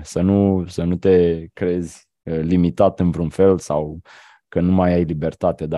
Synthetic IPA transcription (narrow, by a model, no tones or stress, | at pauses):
sənusənut̪e̞kɾe̞zʲ | əlimit̪at̪ɨnvɾunfe̞lsaw | kənumajajlibe̞rt̪at̪ed̪a